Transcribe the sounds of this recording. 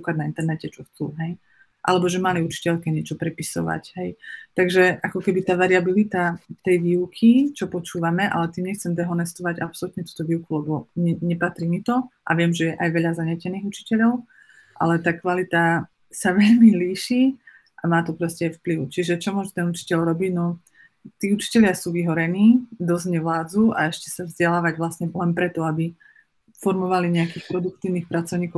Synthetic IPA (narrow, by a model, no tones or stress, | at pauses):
ikadnaint̪ɛɾnɛcɛt͡ʃɔxt͡sṵːɦɛj | ʔa̰lɛbɔʒɛmaliut͡ʃi̥cɛʎkɛɲɪɛt͡ʃɔpɾɛpisɔ̰ʋa̰cɦɛjt̪aɡʒɛʔakɔkɛbit̪aːʋaɾiabilit̪at̪ɛjʋiːwʊkʰit͡ʃɔpɔt͡ʃuːʋamɛʔa̰lɛt̪iːmɲɛxt͡sɛmd̪ɛɦɔnɛst̪ɔʋaɟa̰psɔlut̪ɲɛt̪u̥ːt̪ɔʋiːʊkulɛbɔɲɛɲɛpat̪ɾiːmit̪ɔʔa̰ʋɪɛmʒɛjɛʔajʋɛʎazaɲɛcɛniːɣut͡ʃi̥cɛʎɔʊ | ʔa̰lɛt̪aːkʋalit̪a | saʋɛʎmiliːʃiː | ʔamaːt̪ɔpɾɔscɛajfpliʊt͡ʃiʒɛt͡ʃɔmʊɔʒut̪ɛnut͡ʃi̥cɛʎɾɔbiɟnɔ | t̪iːut͡ʃi̥cɛʎɪasuːʋiɦɔɾɛniːd̪ɔzɟɲɛʋlaːd͡zua̰ɛʃcɛsavzɟɛlaːʋaɟʋlasɲɛlɛnpɾɛt̪ɔabi | fɔɾmɔʋaliɲɛakiːxpɾɔd̪uk̚t̪iːʊniːxpɾat͡sɔʊɲiːkɔ